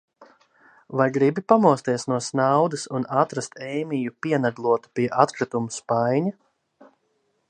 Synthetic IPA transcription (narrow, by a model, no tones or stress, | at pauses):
vajɡɾibipamuɔst̪iɛsnuɔsnawd̪ɐsunat̪ɾast̪ɛjmijupiɛnad̪lˠuɔt̪u̥piɛʔat̪kɾat̪umuspajɲa